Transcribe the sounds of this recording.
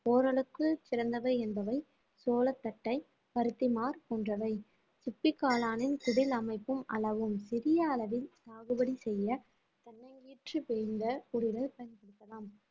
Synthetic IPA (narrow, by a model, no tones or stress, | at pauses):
poːɾɐɭɯkːɯt͡ʃɪɾɐnd̪ɐʋɐɪɛnbɐʋɐɪ | soːlɐt̪ːɐʈːɐɪ | pɐɾɯt̪ːɪmaːɾpoːndrɐʋɐɪ | sʊpːɪkːaːlaːnɪnkʊɽɪlɐmɐɪpːɯmɐ̰lɐʋɯmsɪɾɪjɐːlɐʋɪlt̪aːɣɯbɐɽisɛjːɐ | t̪ɐnːɐŋɡiːʈrɯpejnd̪ɐkʊɽɪlɐlpɐjɐnpɐɽɯt̪ːɐlaːm